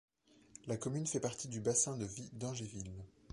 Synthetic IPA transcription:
lakɔmynfɛpaʁt̪ʰid̪ybasɛ̃d̪əvid̪ɑ̃ʒevil

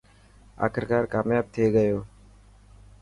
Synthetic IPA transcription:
a̰ːkʰɪɾkaːɾkaːmjaːb̚t̪ʰeːɡəjoː

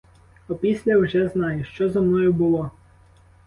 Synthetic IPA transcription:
ɔpʲisʲlʲɐwʒɛznɑjʊʃt͡ʃɔzɐmnɔjʊbʊlˠɔ

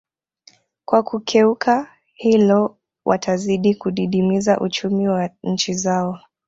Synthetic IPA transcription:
kwakukʰɛuka | hilɔ | wʔa̰tʰaziɗikuɗiɗimizaʔut͡ʃumiwaɲ̩t͡ʃizaɔ

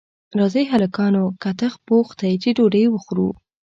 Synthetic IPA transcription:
ɾɑzejɦalakɑnokat̪əxpoxt̪ajt͡ʃeɖoɖəjwəxɾṵ

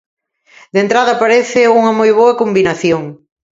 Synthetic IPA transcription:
d̪ent̪ɾaðɐpaɾeθɪuŋɐmojβoɐkombinɐθjoŋ

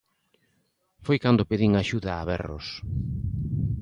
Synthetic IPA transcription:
fojkand̪ʊpeðiŋaʃuðaːβɛ̰ro̰s

